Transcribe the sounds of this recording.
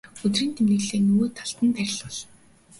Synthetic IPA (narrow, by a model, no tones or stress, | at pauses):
ɵt̪riːnt̪ʰemnɘ̆ɣɮeːnɵɣoːt̪ʰaɬt̪ə̆np̪æːɾʲɪ̆ɮɔɮ